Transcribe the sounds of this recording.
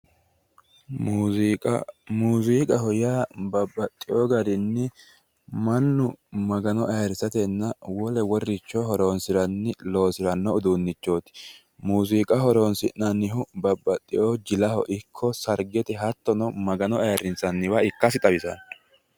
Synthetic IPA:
muːziːkʼɐhɔjaːbɐbːɐt̪ʼːɪjoːɡɐd̪ɪnːɪ | mɐnːʊmɐɡɐnɔʔɐjɐɾɪsɐt̪ɛnːɐwɔlɛwɔrːɪt͡ʃːɔɦɔɾo̞ːnsɪɾɐnːɪlo̞ːsɪɾɐnːɔʊd̪unːɪt͡ʃːo̞ːt̪ɪ̥ | muːsiːkʼɐɦɔɾo̞ːnsɪnɐnːɪɦʊbɐbːɐt̪ʼːɪʔoːd͡ʒɪlɐhɔ̰ʔɪkʰːɔsɐɾɡɛt̪ɛɦɐt̪ːɔnɔmɐɡɐnɔɐjɐɾɪnsɐnːɪwaɪkːɐsɪt̪ʼɐbɪsɐ̰n

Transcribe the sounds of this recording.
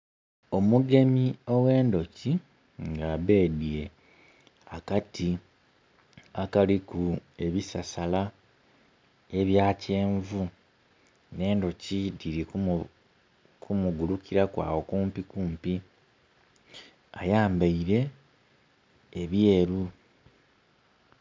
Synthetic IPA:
o̞muɡe̞mio̞we̞ːndo̞ci | ŋɡaːβe̞ːdije | akati | akalikue̞βisasala | e̞βjaːce̞ːɱvu | ne̞ːndo̞cidiɾi | kʰumuɡulukiɾakwa̰ːwo̞kuːmpikuːmpi | ajaːmbaiɾe̞ | βje̞ːɾu

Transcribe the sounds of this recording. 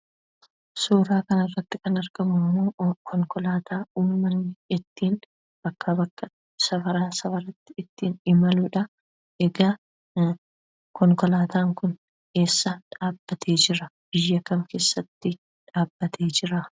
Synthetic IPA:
suːɾaːkɐnɐrːɐt̪ːɪkɐnɐɾɡ̥ɐmʊmːoːkʰɔŋkɔlaːt̪aːuːmːɐnːɪɪt̪ːiːn | b̥ɐkːabɐkːɐ | sɐfɐɾaːsɐfɐɾɐt̪ːɪɪt̪ːiːnɪmɐluːᶑɐ | ɛɡa | kɔŋkɔlaːt̪ʰaːŋkʊn | e̞ːsːɐᶑaːbːɐt̪ʰe̞ːd͡ʒɪɾɐb̥ɪjːɐkɐmke̞ːsːɐt̪ːɪ | ᶑaːbːɐt̪ʰeːd͡ʒɪɾa

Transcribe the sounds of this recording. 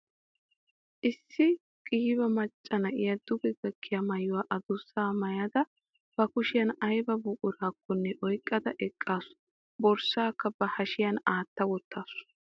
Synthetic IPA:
ʔɪsːɪ | kʼiːbɐmɐt͡ʃʼːɐnɐʔɪjɐd̪ʊɡɛɡɐkʰːɪjɐmɐjʊwaːʔɐd̪ʊsaːmɐjɐd̪ɐ | b̥ɐkʊʃɪjɐnɐjbɐbʊkʼʊɾaːkʰːɔnːɛʔɔjkʼːɐd̪ɐʔɛkʼːaːsʊ̥ | bɔɾsaːkːɐbɐhɐʃɪjɐnaːt̪ːɐwɔt̪ːaːsʊ̥

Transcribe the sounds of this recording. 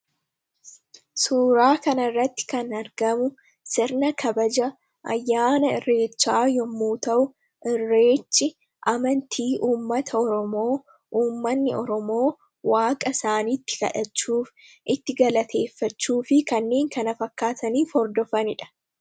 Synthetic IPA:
suːɾaːkɐnɐrːɐt̪ːɪ̥kɐnɐɾɡɐmʊ | sɪɾnɐkʰɐbɐd͡ʒɐ | ʔɐ̰jːaːnɐɪrːe̞ːt͡ʃːaːjɔmːuːt̪ɐʔʊ | ʔɪrːeːt͡ʃːɪ | ʔɐmɐnt̪ʰiːʔuːmːɐt̪ʰɐɔɾɔmo̞ː | ʔuːmːɐnːɪɔɾɔmo̞ː | waːkʼɐsaːniːt̪ːɪ̥ɡɐ̰ᶑɐt͡ʃːuːf | ʔɪt̪ːɪɡɐlɐt̪ʰe̞ːfːɐt͡ʃːuːfɪkɐnːe̞ːŋkɐnɐfɐkːaːt̪ɐniːfɔɾd̪ɔfɐnɪᶑɐ̥

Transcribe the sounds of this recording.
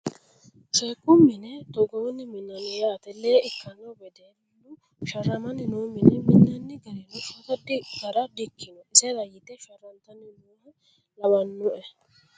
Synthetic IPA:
sɛkʼːʊmːɪnɛt̪ɔɡɔwɪnːɪmɪnːɐnɔjaːt̪ɛleːɪkːɐnːɐwbɛd̪ennːʊ | ʃɐɾːɐmɐnːɪnoːmɪnɛmɪnːɐnːɪɡɐɾɛnʊfɐt̪ɐdɡɐɾɐd̪ɪkːɪnɔɪsɛɾɐjɪt̪ːɛʃɐrːɐnt̪ɐnːɪnoːɐ | lɐbɐnːʊʔɛ

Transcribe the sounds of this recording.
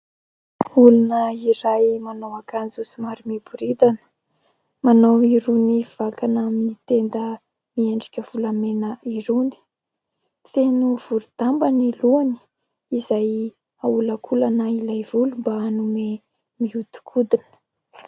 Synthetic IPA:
ulunəiɾajmanawakand͡zusimaɾimibuɾid̪anə̥ | manawiɾuniv̥akanaminit̪end̪ə | mieɳɖ͡ʐi̥kʲəv̥ulamenəiɾuni̥ | fenuv̥uɾud̪̥ambaniluani̥ | izaj | aulakʰulanailajv̥ulumbaːnume | miut̪u̥kʰud̪inə̥

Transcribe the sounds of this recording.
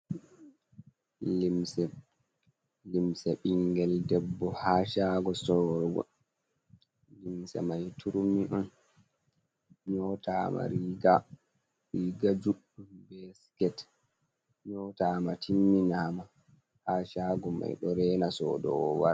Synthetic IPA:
limsɛ | limsɛɓiŋɡɛldɛbːɔhaːʃaːɡɔsɔɾɡɔ̰ | limsɛ̰majtʰuɾumiʔɔn | ɲɔtama̰ɾiɡa | ɾiɡad͡ʒuɗ | ubɛskɛt | ɲɔtamatʰimːinaːma | haːʃaːɡɔma̰jɗɔɾɛːnasɔ̰ːdɔ̰wwaɾ

